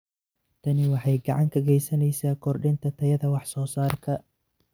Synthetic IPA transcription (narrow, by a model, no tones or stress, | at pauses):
t̪ʰɐnɪwɑħɑjɡɑʕɑŋkʰɐɣɛjsɐnɛjsaːkʰɔrɖɪnt̪ʰɐt̪ʰɐjɐðɐwɑħsɔːsaːrkʰɐ